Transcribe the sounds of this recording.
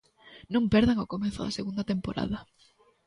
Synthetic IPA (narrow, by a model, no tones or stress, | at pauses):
nõmpɛɾðaŋokomẽnθʊðɐ̰seɣund̪at̪empoɾa̰ðɐ